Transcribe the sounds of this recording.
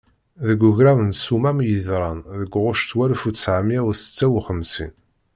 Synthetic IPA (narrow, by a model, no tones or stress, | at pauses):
ðəɡːʊʝɾæwənsumæmjəðɾˤɑnðəɡʷːʁʊʃt̪wæɾfut͡ssʕamjæwsə̥t͡sːæwχəmsḭn